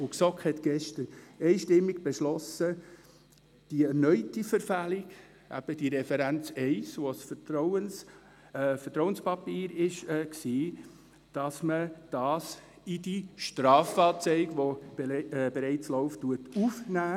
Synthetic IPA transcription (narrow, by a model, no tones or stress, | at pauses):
ʊksɔkhɛt̪ɡ̥ɛʃtənɛɪʃtɪmːiɡ̥b̥ɛʃlɔsə | d̥iɛɾnœʏtifəɾfæliɡ̥ | æ̰b̥əd̥iɾɛfɛɾænt͡sɛɪsʋosfəɾɔʊən | fətɾɔʊənspɑpiːɾɪʃɛːksiː | d̥ɑsməd̥ɑːs | idiʃtɾɑːfɑːt͡sɛɪɡʋo | b̥ɛɾɛɪt͡slɔʊftːuətufnæː